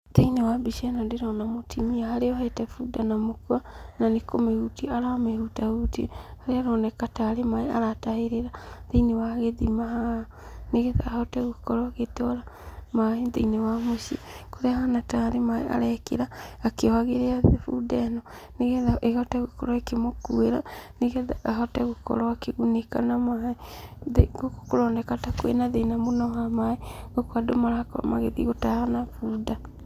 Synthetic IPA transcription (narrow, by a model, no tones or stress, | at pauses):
ðeinewabiʃɛnandeɾɔnamotʰimiahaɾeɔhɛtɛfudanamokuananekomeɣutiaɾameɾutautihaɾeaɾɔnɛkataːɾemaeaɾataheɾeɾaðeinewaɣeðimaha | neɣeða̰hɔtɛɣukɔɾɔɣetɔɾamaeðeinewamoʃiekoɾeahanataɾemaḛa̰ɾɛkḛɾaːkewaɣeɾeaðefudɛnɔ | neɣɛðaʔeɣɔtɛɣokɔ̰ɾɔekemokueɾaniɣɛðaaɦɔtɛɣokɔ̰ɾɔakeɣunekanamaeðeɡokkoɾɔːndɛkatakwḛnaðenamonɔhamaeɣokoadomaɾakɔɾɔ̰ma̰ɣeðiɣotahanafuda